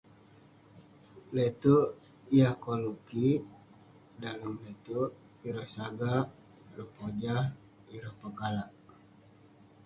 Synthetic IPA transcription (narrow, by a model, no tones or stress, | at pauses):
let̪u | ijahkoluki | daləmlet̪uʔ | iɾəhsaɡa | iɾəhpod͡ʒah | iɾəhpəɡalaʔ